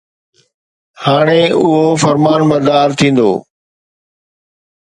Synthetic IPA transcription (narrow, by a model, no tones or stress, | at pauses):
haːɽ̃eʊɦofɐɾmaːnbɐɾd̪aːɾt̪ʰĩːn̆d̪o̰ː